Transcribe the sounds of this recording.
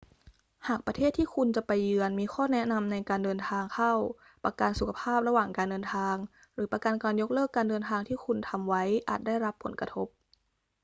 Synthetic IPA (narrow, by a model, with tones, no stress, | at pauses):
haː˨˩k̚pɾa˧t̪ʰeː˥˩t̪ʰːiː˥˩kʰu˧nt͡ɕa˨˩pa˧jːɯ˧ənmiː˧xʰɔː˥˩nɛ˦˥na˧mna˧jkaː˧ndɤː˧nt̪ʰaː˧ŋkʰa˥˩w | pa˧ka˧nsu˨˩kʰa˧pʰaː˥˩p̚ɾa˧waː˨˩ŋkaː˧ndɤː˧nt̪ʰaː˧ŋ | ɾɯː˩˦pa˧ka˧nkaː˧njo˦˥k̚lɤː˥˩kːaː˧ndɤː˧nt̪ʰaː˧ŋt̪ʰiː˥˩kʰu˧nt̪ʰa˧mwa˦˥jʔa̰ː˨˩t̪̚da˥˩jɾa˦˥pʰːo̰˩˦nkɾa˧t̪ʰo˦˥p̚